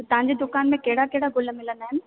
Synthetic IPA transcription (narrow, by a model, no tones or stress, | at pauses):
t̪ɐʋ̤ãɲd͡ʑed̪ʊkaːnmẽkɐɦɪɽakeɦɪɽaɡʱʊlmɪlənd̪aːɦɪnɪ̆